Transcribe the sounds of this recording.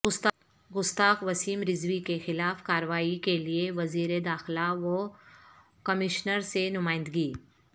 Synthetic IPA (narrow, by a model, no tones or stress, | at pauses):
ɡʊst̪aːkʋɐsiːmɾɪzʋikexɪlaːfkaːɾʋaːikelieʋɐziːɾed̪aːxɪlaʋo | kɐmɪʃnəɾsenʊmaːɪ̃nd̪ɡiː